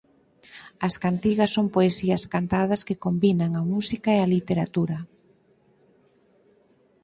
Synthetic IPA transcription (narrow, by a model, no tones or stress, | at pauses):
ɐskant̪iɣɐsːompoesiɐskant̪að̞ɐskekombinaŋɐmusikaeɐlit̪eɾat̪uɾɐ